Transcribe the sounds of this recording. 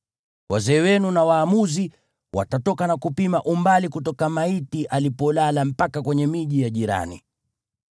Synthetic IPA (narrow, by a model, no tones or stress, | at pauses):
wazɛːwɛnunawaːmuzi | wa̰tatɔkanakupimaʔumbalikutɔkamaitiʔalipɔlalam̩pakakwɛɲɛmiʄijaʄiɾa̰nḭ